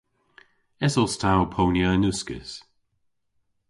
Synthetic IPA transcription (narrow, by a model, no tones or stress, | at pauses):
ɛsɔstʰawpʰownjənʉskə̰s